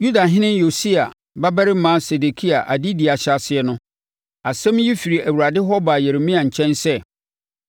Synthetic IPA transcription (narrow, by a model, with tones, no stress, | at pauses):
ju˦da˨ɦɪ̃˦nɪ̃˦njo˨si˦a˨ | ba˦bɛ˦ɾɪ˦mãː˨˦se˨de˨kʰi˦a˨ʔa˨di˦di˨a˨ɕa˨sɪ˨ɛ˨˦nʊ̃˦ | a˨sɛ̃˦mji˦fi˨ɾi˨ʔæ˨wu˨ɾa˨dɪ˦ɦɔ˦ba˨jɛ˨ɾe˨mĩ˦a˨ɲ̩˨t͡ɕʰɛ̃˦nsɛ˦